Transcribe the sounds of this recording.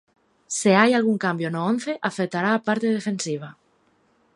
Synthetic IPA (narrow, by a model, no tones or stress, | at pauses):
seajalɣ̞uŋkambjonoon̟θeʔafekt̪aɾaːpaɾt̪e̞ð̞efẽ̞nsiβ̞a